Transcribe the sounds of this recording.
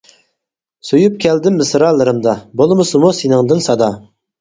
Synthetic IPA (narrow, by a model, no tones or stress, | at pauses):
sujup̚kʲɛld̪ɪmːɨsɾɑlˠɨɾɨmd̪ɑbolˠmɨsɨmusenɨŋd̪ɨnsɑd̪ɑ